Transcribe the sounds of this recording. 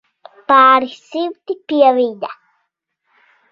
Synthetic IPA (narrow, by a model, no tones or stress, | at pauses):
paːɾisiwt̪ipiaβid̪a